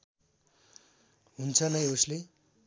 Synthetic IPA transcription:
ɦunt͡sʰʌnʌjosle

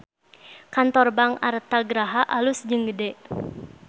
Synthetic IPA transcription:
kant̪ɔrbaŋa̰ɾət̪aɡəɾaɦaʔalusd͡ʒɨŋɡədɛ

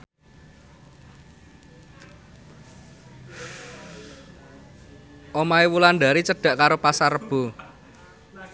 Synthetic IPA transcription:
ʔomaewulanɖ̪a̤ɾit͡ʃəɖ̥ä̤ʔkaɾopasarəb̥o̤

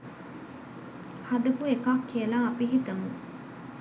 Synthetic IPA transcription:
hɐd̪ɐkuekaːkʰːiɐlaːɐpiɦit̪ɐmṵ

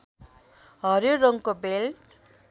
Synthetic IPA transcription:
ɦʌɾjoɾʌŋkobel

